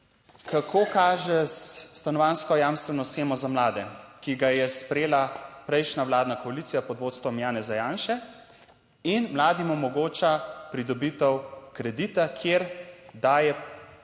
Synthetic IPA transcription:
kakʰoːkaːʒɛsːt̪anɔʋaːnskɔjaːmst̪ʋɛnɔsxeːmɔzamlaːd̪ɛkiɡajɛspɾɛjeːlapɾɛjʃnaʋwlaːd̪nakɔalit̪sijapɔd̪ʋoːt̪st̪ʋɔmjaːnɛzajaːnʃɛ | inmlaːd̪imɔmɔɡoːt͡ʃapɾid̪ɔbit̪ɔwkɾɛd̪it̪akʰjeɾd̪aːjɛ

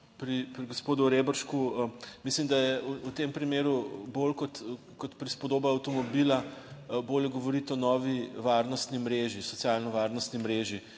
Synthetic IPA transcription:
pɾipɾiɡospoːd̪uɾebəɾʃkumislimd̪ajɛuut̪empɾimeːɾubolkɔt̪ | kɔt̪pɾispɔd̪oːbaɐwt̪ɔmɔbilaboːljɛɡɔʋɔɾit̪ɔnɔːʋiʋaɾnɔst̪nimɾeʒisɔt̪sʲjalnɔʋaɾnɔst̪nimɾeːʒi

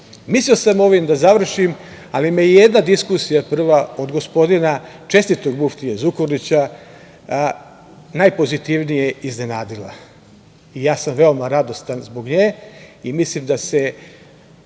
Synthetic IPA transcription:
misliosamo̞ʋimd̪azaʋr̩ʃim | alimejjed̪nad̪iskusijapr̩ʋao̞d̪ɡo̞spo̞d̪inat͡ʃe̞st̪it̪o̞ɡmuft̪ijezukoɾnit͡ɕa | najpo̞zit̪iʋnije̞izne̞naːd̪ila̰ | ijaːsamʋe̞omaɾad̪o̞st̪anzbo̞ɡɲeːimislimd̪ase

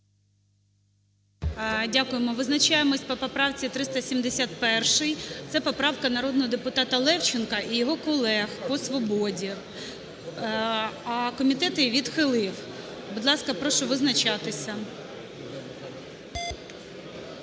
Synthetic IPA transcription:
dʲakʊjemɔʋɪznɐt͡ʃɑjemɔsʲpɔpɔpɾɑwt͡sʲit̪ɾɪst̪ɐsʲimd̪esʲat̪̚pɛrʃɪjt̪sɛpɔpɾɑwkɐnɐɾɔd̪nɔɦɔd̪epʊt̪ɑt̪ɐlˠɛwt͡ʃɪnkɐʔijɔɦɔkɔlˠɛxpɔsʋɔbɔdʲi | ɐkɔmʲit̪ɛt̪ɪʋʲid̪xɪlˠɪw | bʊd̪lˠɑskɐpɾɔʃɔʋɪznɐt͡ʃɑt̪ɪsʲɐ

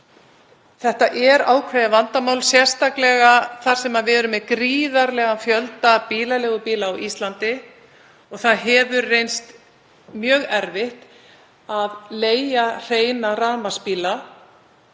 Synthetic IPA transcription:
θɛht̪aʔɛɾaːwkʰvajðavant̪amaːwlsjɛr̥st̪aklɛɣaθaɾ̥sɛmavɪðɛɾʏmɛkɾiːðaɾlɛːɣafjœlt̪apiːlalɛːɣʏpiːlaːwʔist̪lant̪ɪ | ɔɣθaðɦɛvʏɾːejnst̪ | mjœːɣɛɾvɪht̪ | aðleːjar̥eːjnaraːmaspiːla

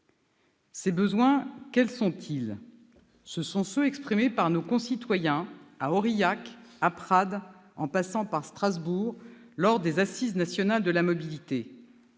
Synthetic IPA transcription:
sebəzwɛ̃kʲɛlsɔ̃t̪ʰil | səsɔ̃søɛkspχimepaʁnokɔ̃sit̪wajɛ̃aɔʁijakapχad̪ɑ̃pasɑ̃paʁst̪χazbuʁ | lɔʁd̪ezasiznasjɔnald̪əlamɔbilit̪e

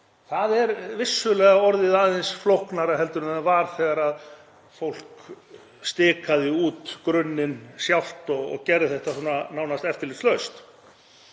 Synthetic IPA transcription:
θaðɛɾvɪsːʏlɛːɣaɔɾðɪðaðɪnsflowhknaɾaɦɛl̪t̪ʏɾʏmavaːɾ̥θɛːɣaɾað | fowl̥k | st̪ɪːkaðɪuːt̪kɾʏnːɪnsjawl̥t̪ɔɣɔ̰ɣcɛɾðɪθɛht̪asuːnːanawnast̪ɛft̪ɪɾlɪt̪slœɥst̪

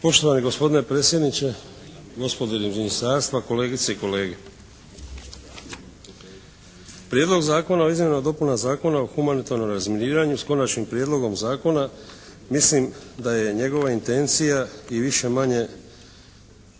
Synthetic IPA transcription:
po̞ʃt̪o̞ʋaniɡo̞spo̞d̪ine̞pɾe̞ːt̪sje̞d̪nit͡ɕe̞ | ɡo̞spo̞d̪eiminist̪aːɾst̪ʋako̞le̞ːɡit̪seiko̞le̞ːɡe | pɾjed̪lo̞ɡzaːko̞naoizmjenad̪o̞punazaːko̞naoxumanit̪aɾno̞mɾazminiːɾaɲusko̞nat͡ʃnimpɾjed̪lˠo̞ɡo̞mzaːko̞na | mislimd̪aje̞ɲe̞ɡo̞ʋaint̪e̞nt̪sijaiʋiʃe̞maɲe̞

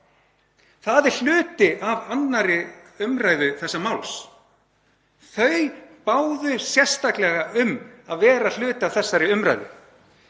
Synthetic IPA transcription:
θaðɪɾ̥l̥ʏːt̪ɪʔavanːaɾɪʏmɾajðʏθɛsːamawls | θœɥpaːwðʏsjɛr̥st̪aklɛɣaʏmaðvɛːɾal̥ʏːt̪ɪavθɛsːaɾɪʏmɾa̰jðʏ̰

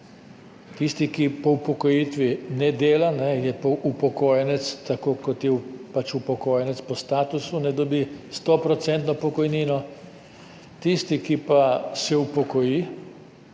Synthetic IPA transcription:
t̪ist̪ikipɔupɔkɔjiːt̪ʋinɛd̪eːlanɛjɛpɔʔupɔkoːjɛnɛt̪st̪akoːkɔt̪jɛpat͡ʃupɔkoːjɛnɛt̪spɔst̪aːt̪usunɛd̪ɔbist̪ɔpɾɔt̪sɛnt̪nɔpɔkɔjniːnɔ | t̪ist̪ikipasɛupɔkɔjiː

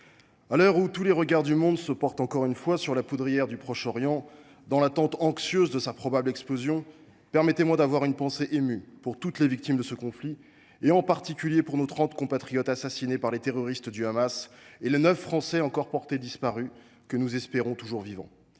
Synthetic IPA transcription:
alœʁut̪uleʁəɡaʁd̪ymɔ̃d̪səpɔʁt̪ɑ̃kɔʁynfwasyʁlapud̪ʁijɛʁd̪ypχɔʃɔʁjɑ̃ | d̪ɑ̃lat̪ɑ̃t̪ɑ̃ksjøzd̪əsapχɔbablɛksplozjɔ̃ | pɛʁmɛt̪emwad̪avwaʁynpɑ̃seʔemypuʁt̪ut̪levik̚t̪imd̪əsəkɔ̃fli | eɑ̃paʁt̪ikʲyljepuʁnot̪χɑ̃t̪kɔ̃pat̪χijɔt̪asasinepaʁlet̪eʁɔʁist̪d̪yamaselenœfːχɑ̃sɛɑ̃kɔʁpɔʁt̪ed̪ispaʁy | kənuzɛspeʁɔ̃t̪uʒuʁvivɑ̰̃

